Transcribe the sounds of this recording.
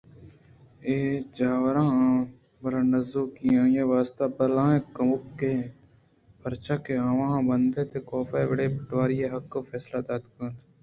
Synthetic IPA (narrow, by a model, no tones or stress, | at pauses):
eːd͡ʒaːʋɾãːã | bəɾãːnəzoːkijãːjeːʋaːst̪aːbəlãːẽːkəmʊkːeː | pʰəɾt͡ʃaːkeãːʋãːbənd̪eːt̪eːkoːfeːʋəɽeːpɪʈʋaːɾijeːɦəkːoːfɛːslaːd̪aːd̪kəːnd̪